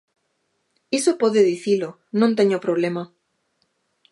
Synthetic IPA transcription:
esopoðeðiθilo | nõnt̪eɲopɾoβ̞lema

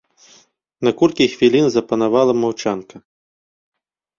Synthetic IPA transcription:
nɐkurkʲixvʲilʲinzɐpɐnavalˠɐmawt͡ʂankɐ

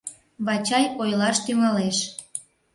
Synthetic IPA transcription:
βɑt͡ɕɑjojlɑʃt̪yŋɑleʃ

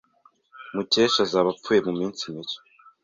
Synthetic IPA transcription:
muceːʃazaːβap͡fuje̞mumiːnt͡simit͡ʃo̥

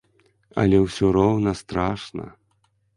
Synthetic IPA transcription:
ɐ̰lʲɛwsʲɔɾɔwnɐst̪ɾaʂnɐ̰

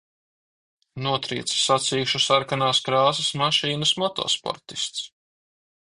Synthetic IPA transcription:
nuɔt̪ɾḭːt̪ssat̪siːʃusaɾkanaːskɾaːsɐsmaʃiːnasmɔt̪ɔ̰ːspɔ̰ɾt̪i̥st̪s

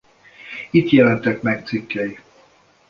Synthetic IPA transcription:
it̪jɛlɛnt̪ɛkmɛkt̪sikːɛji

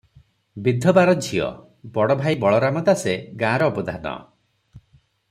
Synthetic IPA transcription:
bid̪ʱɔbaɾɔd͡ʒʱiɔ̰ | bɔɽɔbʱajbɔɭɔɾamɔd̪aseɡãːɾɔːbɔd̪ʱanɔ̰

